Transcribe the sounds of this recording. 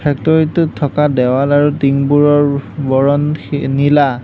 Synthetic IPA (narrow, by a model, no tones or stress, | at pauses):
pʰɛk̚tɔɹitutʰːɔkadɛwalaɹutiŋbuɹɔɹbɔɹɔnnila